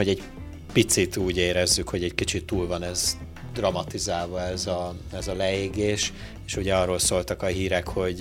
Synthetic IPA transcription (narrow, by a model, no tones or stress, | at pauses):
oɟɛɟ | pit̪sit̪uːɟeːɾɛzːykho̞ɟɛɟkit͡ʃit̪ːuːlvɒnɛz | d̪rɒmɒt̪izaːlvɒɛzɒɛzɒlɛeːɡeːʃ | eːʃuɟɛɒroːlsoːlt̪ɒkɒɦiːɾɛkho̞ɟ